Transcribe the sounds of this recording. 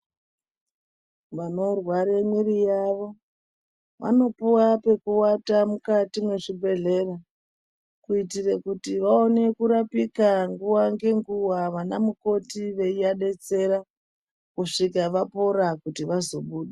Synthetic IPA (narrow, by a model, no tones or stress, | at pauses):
ʋano̞rwaɾemwiɾijaʋo̞ | ʋa̰no̞puwape̞kuwatamukatimweʐibʱe̞ɮe̞ra | kuitirekutiʋao̞ne̞kuɾapikaŋɡuwaŋɡe̞ŋɡuwaʋanamuko̞tiʋe̞ijaɗe̞t͡se̞ɾa | kuʂikaʋapo̞ɾakutiʋazo̞ɓuːɗe